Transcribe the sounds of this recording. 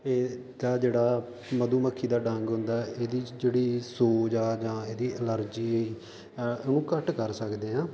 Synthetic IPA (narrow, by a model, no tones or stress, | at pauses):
eː | d̪aːd͡ʒeːɽaː | məd̪uːməkʰːiːd̪aːɖə̃ŋɡɦʊ̃nd̪aːʔeːd̪iːd͡ʒeːɽiːsoːd͡ʒaːd͡ʒãːeːd̪iːʔələɾd͡ʒiː | onũːkəʈkəɾsəkd̪eːãː